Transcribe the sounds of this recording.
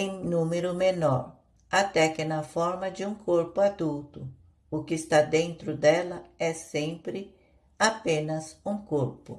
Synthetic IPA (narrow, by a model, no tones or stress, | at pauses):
ẽj̃nũmeɾʊmenɔɾ | at̪ɛkɪnɐfɔɾmɐd͡ʒɪũŋkʰoɾpʊad̪uwt̪ʊ | ʊkɪst̪ad̪ẽnt̪ɾʊd̪ɛlɐɛsẽmpɾɪ | apẽnɐsũŋkoɾpʊ̰